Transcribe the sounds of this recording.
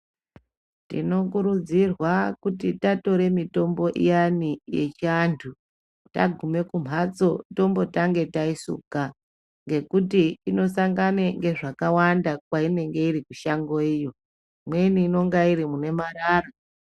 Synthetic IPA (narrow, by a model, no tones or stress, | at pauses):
tḭno̞kuɾud͡zirwakutitato̞ɾe̞mito̞mbo̞ʔḭjanije̞̰t͡ʃiantʰu | ta̰ɡʱume̞kum̤ʱat͡so̞to̞mbo̞taŋɡe̞taisṵka | ŋɡe̞kutiino̞saŋɡaneŋɡe̞ʐakawandakwaine̞ŋɡe̞irikuʃaŋɡo̞ijo̞ | mwe̞niːno̞ŋɡaiɾimune̞maɾaːra